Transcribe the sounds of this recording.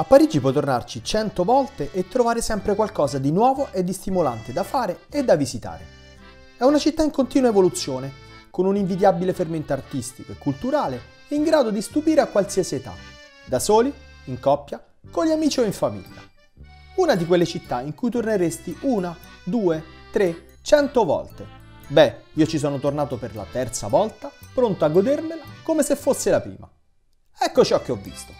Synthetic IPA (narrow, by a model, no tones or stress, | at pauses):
apːaɾid͡ʒipwɔt̪ːornart͡ʃit͡ʃɛnt̪ovɔlt̪eʔet̪ːɾovaːɾesɛmpɾekwalkɔːzad̪inwɔːvoʔed̪ːist̪imola̰nt̪ed̪afaːɾeed̪ːavizit̪a̰ːɾḛ | ɛunat͡ʃit̪ːaiŋkont̪iːnuwaevolut̪sːjoːne | konuniɱvid̪jabileferment̪art̪ist̪ikoekːult̪uɾaːle | ɛiŋɡɾaːd̪od̪ist̪upiːɾeakwalsiːasiet̪a̰ | d̪asoːliiŋkɔpːja | koʎːiamiːt͡ʃioiɱfamḭʎːa̰ | unad̪ikwelːet͡ʃit̪ːaiŋkujt̪orneɾest̪iʔuːnad̪uːet̪ɾe | t͡ʃɛnt̪ovɔ̰lt̪e | bɛiːot͡ʃis̬ɔːnot̪ornaːt̪operla̰t̪ɛrt̪sa̰vɔlt̪apɾont̪oaɡːod̪ermelakomesefːosːelapɾḭːma̰ | ɛkːot͡ʃɔk̟ːeɔvːḭst̪o̥